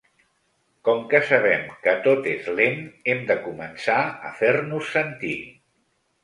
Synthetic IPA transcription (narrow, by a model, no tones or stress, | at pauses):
kɔmkəsəβɛmkət̪ot̪ezlenɛmd̪əkumənsaə̰fernusːənt̪i